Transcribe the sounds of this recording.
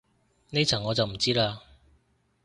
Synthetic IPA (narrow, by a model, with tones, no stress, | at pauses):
ne˥t͡sʰɐ˨˩ŋːɔː˨˧t͡sɐ˨wm̩˨˩t͡siː˥laː˧